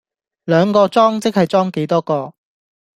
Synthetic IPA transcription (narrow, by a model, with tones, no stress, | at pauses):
lœː˨˧ŋkɔː˧t͡sɔː˥ŋt͡sɪ˥k̚hɐ˨jt͡sɔː˥ŋke˨˥jt̪ɔː˥kɔː˧